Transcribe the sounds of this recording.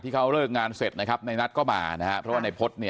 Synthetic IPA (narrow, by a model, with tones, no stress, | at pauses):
t̪ʰiː˥˩kʰa˦˥wɾɤː˥˩k̚ŋaː˧nse˨˩t̪̚na˦˥kʰa˦˥p̚na˧jna˦˥t̪̚kɔː˥˩maː˧na˦˥ha˦˥ʔʰɾɔ˦˥waː˥˩na˧jpʰo˦˥t̪̚ni˥˩ɐ